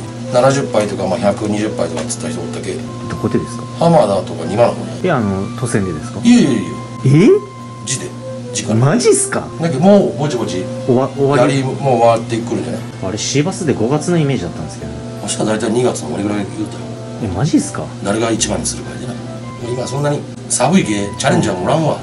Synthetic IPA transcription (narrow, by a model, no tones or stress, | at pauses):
nanaʑɨpːait̪o̞kamaːçakɯ̟ɲ̟iʑɨpːait̪o̞kat͡sɨ̥t̪ːaçi̥t̪oot̪ːake | d̪o̞ko̞d̪e̞d̪e̞sɨ̥kḁhamad̪at̪o̞kaɲimanoho̰d̪oeano̞t̪o̞send̪e̞d̪e̞sɨ̥kaiei | e | d͡ʑid̪e | d͡ʑikãmaʑisɨ̥ka̰ | d̪akːemoːbod͡ʑibo̞d͡ʑioaoβaaɾʲimoβat̪ːeikːɯɾɯ̟nd͡ʒa̰na̰ | aɾe̞ɕibasɨd̪eɡo̞ɡat͡sɨnoime̞ːʑid̪at̪ːãnd̪esɨke̞d̪oneaɕi̥k̪ad̪ait̪aiɲ̟iɡat͡sɨnomaɾiɡɯɾaɡeɯt̪ːe | emaʑisɨ̥kad̪aɾe̞ɡait͡ɕibãɲːisɨɾɯkaid̪ed̪a | d̪aimasõ̞nːaɲ̟i | sabɯ̟iɡeːt͡ɕaɾẽ̞ɲ̟d͡ʑaamoɾãɰ̃βa